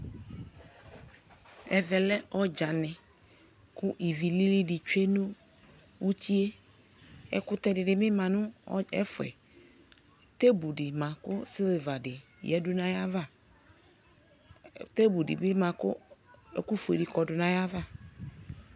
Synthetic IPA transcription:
ɛ˨vɛ˨lɛ˦ʔɔ˦d͡ʒa˨nɪ̃˨ | kʊ˦ʔi˨vi˨li˦li˦dɪ˨t͡ʃe˦nʊ̃˦ | wu˦ti˦e˦ | ɛ̰˦kʊ˦t̪ɛ˦dɪ˨dɪ˨mɪ̃˦mã˨nʊ̃˦ɛ˦fʊ˨ɛ̰˨ | t̪e˦bu˨dɪ˨mã˨kʊ˦sɪ˦lva˨dɪ˨ | jɛ̰˨dʊ˦nã˦ja˦va˦˨ | t̪e˦bu˨dɪ̰˨bɪ˦mã˨kʊ̰˦ɛ˦ku˦fḛ˨di˨kɔ˨dʊ˨nã˨ja˦va˦˨

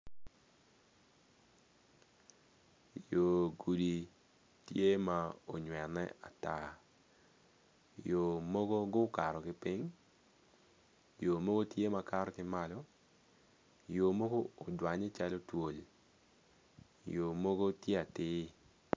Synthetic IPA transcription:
jo˨ɡu˨di˨ | tje˦ma˨o˨ɲwɛ˨nɛ̰˦a˨ta˦ | jo˨mo˦ɡo˦ɡʊ˦ka˨ɾɔ˨kɪ˦pi˦ŋ | jo˨mo˦ɡo˦tje˦ma˨ka˦ɾɔ˦kɪ˦ma˦lɔ˦ | jo˨mo˦ɡoː˦˨dwa˨ɲe˦t͡ʃa˦lo˦two˨l | jo˨mo˦ɡo˦tje˦a˨tɪː˦

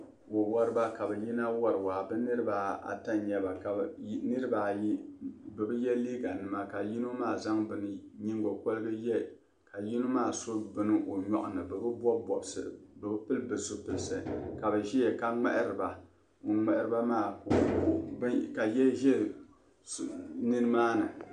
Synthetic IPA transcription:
wo˨wɔ˦ɾɨ˦ba˦ka˨bɛ˨ji˦na˦wɔ˦ɾɨ˨wa˨bɨ˦nɨ˦ɾɨ˦ba˨a̰˨ta˦ɲɛ˦ba˨ka˨˦nɨ˦ɾɨ˦ba˨ji˦bɨ˨bɨ˦jɛ˦liː˦ɡa˨nɨ˨ma˦ka˨ji˦nu˦maː˦˨za˦ŋbɨ˨nɨ˨ɲi˦ŋɡo˨ko˦lɨ˦ɡɨ˦jɛ˦ | ka˨ji˦nu˦maː˦˨so˦bɨ˦nɨ˦ʔo˨ɲɔ̰˨ʔʊ˨nɨ˨bɨ˨bɨ˦bɔ˦bɔ˨bsɨ̰˨bɨ˨bɨ˦pɨ˦lbɨ˨so˦pɨ˨lsɨ˨ka˨bɨ˨ʒi˦jɛ˨ka˦ŋ͡mɛ̰˦ʔɪ˦ɾɨ˨ba˨ | o˨ŋ͡mɛ˨ʔɪ˦ɾɨ˦ba˦maː˦˨˦ | ka˨jɛ˦ʒɛ˦˨ | nɨ˦nɨ˦maː˦nɨ˨

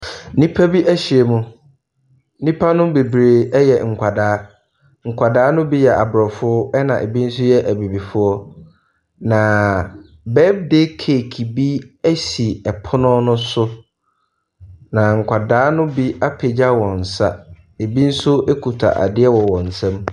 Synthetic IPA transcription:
nĩ˦pʰæ˦bi˦ʔæ˦ɕi˨e˨mʊ̃˦ | nĩ˦pʰa˦nʊ̃˦be˨bɾe˨ɛ˦jɛ˨ŋ̩˨kʷʰa˨daː˨˦ | ŋ̩˨kʰʷa˨daː˦nʊ̃˦bi˦jɛ˨ʔa˨bɾɔ˨fʊ˦ɛ˦nã̰˨ʔḛ˨bi˦n̩˦sʊ˦jɛ˦ʔæ˨bi˨bi˨fʊ˦ɔ˦ | nã˨ | bɛ˦b̚de˦kʰe˨kʰi˨bi˦æ˦si˨ɛ˨pʰʊ˦nʊ̃˦nʊ̃˦sʊ˦ | nã˨ŋ̩˨kʷʰa˨daː˨˦nʊ̃˦bi˦a˦pʰe˨d͡ʑa˦wɔ̃˨n̩˨sa̰˦ | e˨bi˦n̩˦sʊ˦e˦kʰu˨tʰa̰˨ʔa̰˨dɪ˦ɛ˦wɔ˨wɔ̃˨n̩˨sɛ̃˦m

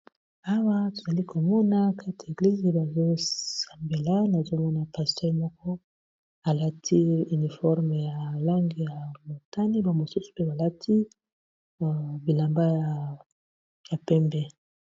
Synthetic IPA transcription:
a˦wa˦to˨za˨li˦kʰo˨mɔ˦na˦kʰa˦tʰe˨ɡli˦ze˨ba˨zo˦ssa˨mbe˨la˦na˨zo˦mɔ˦na˨pa˨stɛ˦ʁmɔ˦kɔ˦ | a˨la˦tʰi˦y˨ni˨fɔ˦ʁme˨ja˨la˦ŋɡi˨ja˨mo˨ta˦ni˦ba˨mo˨su˦su̥˨pe˦ba˨la˦tʰi˦˨ | bi˨la˨mba˦ja˨ | ja˨pɛ˦mbɛ˦

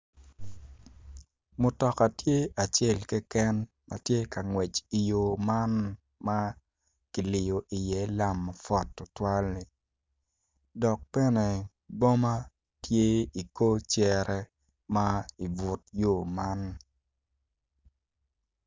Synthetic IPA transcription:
mʊ˨tɔ˨ka˨tje˦a˨t͡ʃe˦˨lkɛ˦kɛ˦n | ma̰˨tje˦ka˨ŋwɛ˨t͡ʃi˨jo˨ma˦n | ma˦ | ki˨lɪ˨jo˨ʔi˨jɛ˨˦la˦mːa˨fɔ˦˨tːʊ˦twa˦lni˨ | dɔ˨k̚pɛ˦nɛ˨ | bo˦ma˦ | tje˦i˨ko˦t͡ʃɛ˦ɾɛ˦ | ma˦i˨bʊ˨t̚jo˨ma˦n

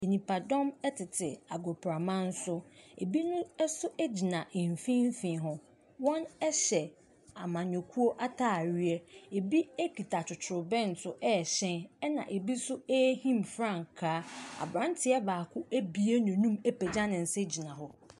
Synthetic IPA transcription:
e˨nĩ˨pʰa˨dɔ̃˦mɛ˦tʰɪ˨tʰɪ˨a˨ɡɔ˨pʰɾa˨mã˦n̩˦sʊ˦ḛ˨bi˦nʊ̃˦ɛ˦sʊ˦ʔɛ˦d͡ʑi˨nã˨ʔɪ̃˨ɱ˨fĩ˦m̩˦fĩ˨ɦɔ̃˨ | wɔ̃˦nɛ˦ɕɛ˨ | a˨mã˨ɲɔ˨kʰu˦o˦ʔa˦tʰaː˦˨ɥɥɛ˦e˨bi˦e˦ki˨tʰa˨t͡ʃʰʊ˨tʰʊ˨ɾʊ˨bɛ̃˦n̩˨tʰʊ˦ʔɛ˦˨ɕɛ̃˦nɛ˦nã̰˨ʔe˨bi˦sʊ˦ɛ˦hĩ˦mfɾã˦˨ŋkʰaː˦a̰˨bɾã˨˦n˦tʰɪ˨ɛ˦baː˨kʰʊ˦ʔæ˦bi˨e˦nɔ̃˨nũ˦mɛ˦pɛ˨d͡ʑã˦nɪ̃˨n̩˨sɛ˦d͡ʑi˨nã˨ɦʊ˦

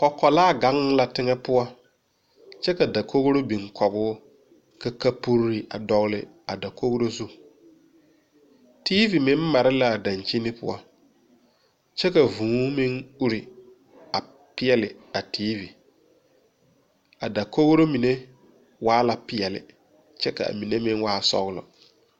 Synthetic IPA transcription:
kɔ˨kːɔ˨laː˦˨ɡa˦ŋ˦la˦tɪ˦ŋɛ˦pʊ˦a˦ | t͡ʃɛ˦ka˨da˨kʰo˦ɣɾo˦bi˨ŋkʰɔ˨ɣʊː˦ | ka˦ka˦pu˦ɾɾi˨ʔa̰˨dɔ˨ɣlɪ̰˨ | a˨da˨ko˦ɣɾo˦zu˦ | tiː˦vi˨mɪ˦m˦ma˨ɾɪ˦la˦˨da˨nt͡ʃi˦nɪ˦pʊ̰˦a̰˦ | t͡ʃɛ˦ka˨vũː˨˦mɪ˦ŋu˦ɾi˨ | a˨ | pɪ˦ɛ˦lɪ˨a˨tʰiː˦vi˨ | a˨da˨ko˦ɣɾo˦mi˨ne˦ | waː˦la˦pɪ˨ɛ˨lɪ̰˨ | t͡ʃɛ˦ka̰˨a̰˨mi˨ne˦mɪ˦ŋwaː˦sɔ̰˦ɣlɔ̰˨

